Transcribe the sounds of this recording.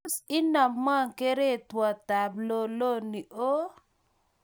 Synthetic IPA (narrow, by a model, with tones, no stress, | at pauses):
si˦na˨mːa˦˨ŋke˦ɾe˦˨twa˨ta˨blo˨lo˦ni˨ʔo˦